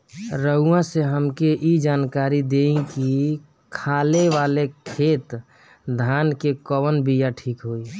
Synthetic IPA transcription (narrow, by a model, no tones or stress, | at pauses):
ɾəɦuãseɦəmkeʔid͡ʒaːnkaːɾid̪eĩki | kʰaːleʋalekʰeːt̪ | d̪ʱaːnkekɔwənbʱijaʈʰiːkɦoi